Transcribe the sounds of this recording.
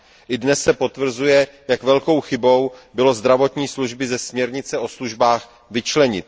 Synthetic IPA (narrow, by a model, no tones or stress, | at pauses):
ʔɪdnɛsːɛpo̞t̪vr̩zujɛjakvɛlko̞wxɪbo̞wbɪlo̞zd̪ɾavo̞t̪ɲiːsluʒbɪzɛsmɲɛɾɲɪt͡sɛʔo̞sluʒbaːx | vɪt͡ʃlɛɲɪt̪̚